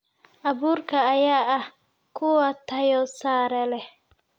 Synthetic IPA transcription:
ʔɐβuːrkʰɐːjaːʔɐh | kʰʊwɐt̪ʰɐjɔsaːɾɛlɛ

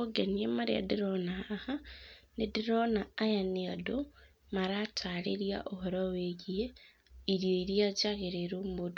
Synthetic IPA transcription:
oɡeniemaɾia̰diɾonaːhanediɾonaːjaniado | maɾatʰalḛɾja̰ʔohoɾaweɣie | iɾjoiɾjad͡ʒaɣeɾeɾumod

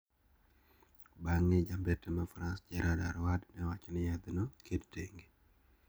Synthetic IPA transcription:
baŋːɛd͡ʒambetɛmafɾansd͡ʒɛɾʔada̰ɾwadnɛwat͡ʃɔnɪjad̪nokʰedteŋɡe

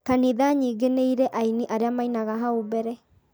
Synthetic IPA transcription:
kaniðaɲiːɡeneiɾɛʔaineʔaɾeamainaɣaɦaobɛɾɛ

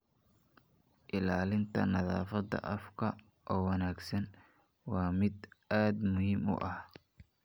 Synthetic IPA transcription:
ʔɪlaːlɪnt̪ʰɐnɐða̰ːfɐd̪ɐ̰ʔɐfkʰɐ | ʔɔːwɐnaːɡsɐn | wɑːmɪd̪ʔaːd̪mʊhiːmʊ̰ʔɐh

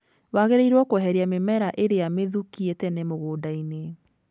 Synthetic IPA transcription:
waɣeɾeiɾwɔkwɛɦɛɾiamemɛɾaʔeɾejameðukietɛnemoɣoːdaine

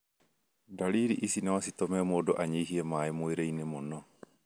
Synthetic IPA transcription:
daɾiːɾiʔisinawasit̪omɛmoːdoʔaɲiɦiemaemueɾejnemonɔ

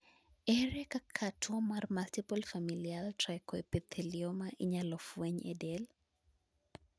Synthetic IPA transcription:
ɛɾɛkakʰatʰwɔmarmaltipɔlfamilialtɾakɔepɛt̪ʰeliɔmaʔiɲalɔfwɛɲɛ̰dɛl

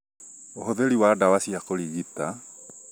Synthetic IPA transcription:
oɦoðeɾiwadawasiakoɾiɣita

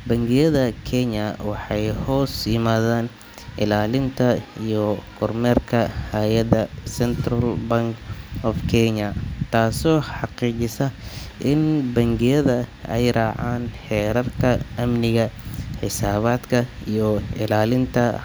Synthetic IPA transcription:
bɐŋɡɪjɐðɐkʰɛɲɐwɑħɑjhɔːsjɪmaːðaːn | ʔɪ̰laːlɪnt̪ʰɐijɔkʰɔrmɛːrkʰɐhajɐðɐsɛnt̪rɐlbɐŋkɔfkʰɛɲɐt̪ʰaːsɔːħɑqiːt͡ʃɪsɐʔɪnbɐŋɡɪjɐðɐɛjraːʕaːnħɛːɾɐrkʰɐʔɐmnɪɣɐħɪsaːβaːd̪kʰɐijɔɪlaːlɪnt̪ʰɐ

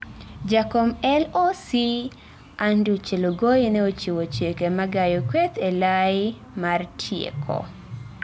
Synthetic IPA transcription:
d͡ʒakomɛlosi | andiot͡ʃeloɡojenɛot͡ʃewot͡ʃekemaɡajokwet̪elaɪ | martʰjḛkʰɔ̰

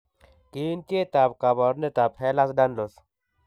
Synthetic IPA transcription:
kiːnt̪et̪apkabɔɾnet̪aphelasɖanlos

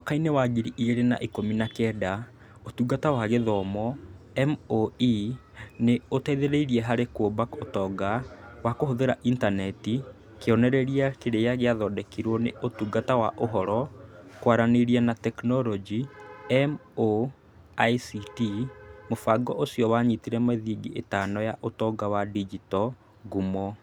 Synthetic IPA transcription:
okainewaɡiɾiʔiɣeɾena̰ʔikominakɛːda | otuɡatawaɣeðɔmɔ | ɛmoi | neotɛiðeɾeiɾiɛɦaɾekobakotɔɡawakohoðeɾaʔintanɛti | keɔnɛɾɛɾiakeɾejaɣeaðɔːdɛkiɾwɔnḛʔotuɡatawaʔoɦɔɾɔkwaɾaneɾiɛnatɛknɔɾɔd͡ʒiɛmo | aisitimofaɡɔʔosiɔwaɲitiɾɛmeðiɡiʔetaːnɔjaʔotɔɡawadid͡ʒitɔ | ɡumɔ

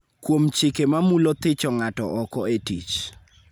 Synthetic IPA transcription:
kwomt͡ʃɪkemamulot̪ɪt͡ʃɔŋatɔ̰ʔɔkɔetḭt͡ʃ

